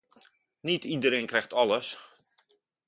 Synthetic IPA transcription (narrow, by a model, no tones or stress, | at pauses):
nitidəɾeːnkrɛxtɔləs